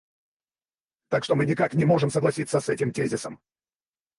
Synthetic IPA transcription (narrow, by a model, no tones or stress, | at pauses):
t̪akʂt̪o̞mɨnʲɪkaknʲɪmo̞ʐɨmsəɡlˠɐsʲit̪sːəsɛtʲɪmtʲezʲɪsəm